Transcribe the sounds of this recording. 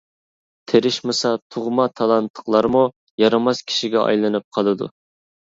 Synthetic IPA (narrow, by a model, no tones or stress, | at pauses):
t̪ʰeɾɪʃmɨsɑt̪ʰuʁmɑt̪ʰɑlˠɑnt̪ʰːə̥qlˠɑɾmu | jɑɾɑmɑskʲʰi̥ʃiɡʲɛɑ̰jlˠɨnɨp̚qʰɑlˠɨd̪ṵ